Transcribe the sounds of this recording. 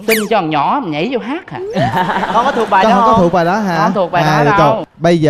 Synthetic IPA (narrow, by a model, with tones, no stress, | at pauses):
si˧ŋt͡ɕɔ˧ə˨˩ɲɔ̰˧˩˧ma˨˩ɲə̰˧˩˦jzo˧ɦaː˦˥k̚ha̰ː˨˩kɔ˧kɔ˨˦t̪ɨ˨˩ək̚ɓaː˨˩˧ɔ̰˧˦kɔ˨˦˧ɨ˨˩ək̚ɓaː˨˩jɗɔ˨˦ɦaː˨˧˩t̪ʰək̚ɓaː˨a˨˧ə˧˩ɓə˧jzəː˨